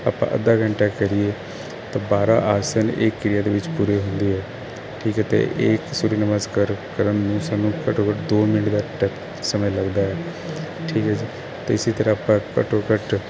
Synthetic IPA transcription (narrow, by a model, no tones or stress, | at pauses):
a̰ːpã̰ːʔə̰d̪aːɡəɳʈaːkəɾɪeː | t̪ãːbaːɾa̰ːʔaːsənḛkːɪɾɪjaːd̪eːʋɪt͡ʃpuːɾeːɦʊnd̪iːɦɛː | ʈʰiːkɦɛːt̪ḛʔɪksuːɾiːnəməskaɾkəɾənːũːsaːnːũːkəʈoːkəʈd̪oːmɪnəʈd̪aːʈɛp | səmələɡd̪aːɛː | ʈʰiːkɦɛːd͡ʒiː | t̪eːɪsiːt̪əɾãaːpãːkə̰ʈoːkəʈ